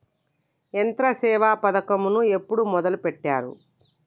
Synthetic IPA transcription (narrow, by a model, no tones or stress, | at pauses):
ent̪ɾɐsɛːʋaːpɐd̪ɐkɐmunue̞pːuɽumɔd̪ɐlupeʈːaːɾṵ